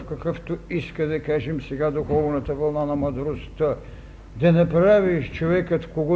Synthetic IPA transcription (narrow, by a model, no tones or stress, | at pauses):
fkɐkəft̪oiskəd̪ɐkaʒɛmsɛɡad̪uxɔvnɐt̪ɐvɐlˠnanɐmˠɐd̪ɾost̪ə | d̪ɐnɛpɾaviʃt͡ʃovɛkət̪koɡɔ